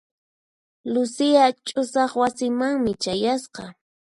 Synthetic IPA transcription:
lʊsɪat͡ʃʼʊsɑχwasɪmaŋmɪt͡ʃajasqɑ

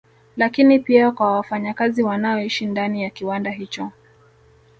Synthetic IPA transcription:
lakinipiakwawafaɲakaziwanaɔiʃindanijakiwandaɦit͡ʃɔ

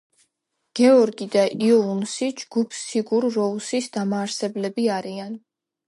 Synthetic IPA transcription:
ɡ̥ɛɔɾɡid̪aʔiɔunsid͡ʒɡ̥upʰsiɡuɾːɔusisd̪amaːɾsɛblɛbiaɾian

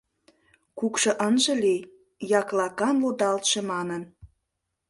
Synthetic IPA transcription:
kukʃɤ̆ʔənʒɤ̆lej | jɑklɑkɑnlod̪ɑlt̪ʃemɑnən

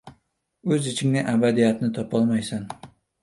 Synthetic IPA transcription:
ɵzɪt͡ʃʰɪŋnɪʔabad̪ijat̪nɪt̪ʰɒpʰɒlˠmajsan

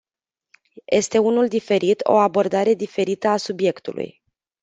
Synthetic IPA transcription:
jʔe̞st̪e̞unuld̪ife̞ɾit̪o̞̰abo̞rd̪aɾe̞d̪ife̞ɾit̪əasubje̞kt̪ulṵj

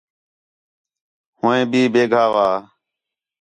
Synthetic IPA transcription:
hʊ̃ːẽːbiːbeːɡʱaːʋaː

